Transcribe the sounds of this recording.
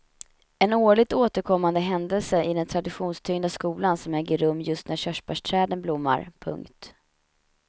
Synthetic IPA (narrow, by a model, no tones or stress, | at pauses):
ɛnoːɭɪɡ̚t̪oːt̪əɾkʰɔmːand̪əɦɛnd̪ɛlsəʔɪd̪ɛnt̪ʰɾad̪ɪɧuːnst̪ʰʏŋnd̪askuːlansɔmɛːɡəɾɵmːjɵst̪næɕœʂpaʂʈʰɾɛːd̪ənblʊmːa̰ɾpʰɵ̰ŋkt̪